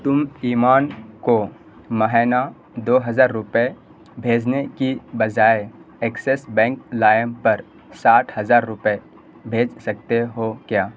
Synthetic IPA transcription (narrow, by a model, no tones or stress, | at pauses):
t̪ʊmiːmaːnko | mɐɦɛːna | d̪oːɦəzaːɾːʊpe | bʱeːd͡ʒnekibɐd͡ʒaːeeksesbɛ̃ːŋklaːjəmpɐɾ | saːʈʰɦɐzaːɾːʊpe | bʱeːd͡ʒsɐk̚t̪eɦokjaː